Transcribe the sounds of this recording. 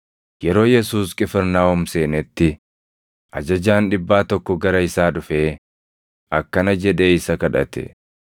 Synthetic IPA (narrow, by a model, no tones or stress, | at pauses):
jɛɾo̞ːjɛsuːskʼɪfɪɾnaːwɔmse̞ːnɛt̪ːɪ | ʔɐ̰d͡ʒɐd͡ʒaːnᶑɪbːaːt̪ɔkːɔɡɐɾɐɪsaːᶑʊfeː | ʔɐkːɐnɐd͡ʒɛᶑe̞ːɪsɐkɐᶑɐ̰t̪ɛ̰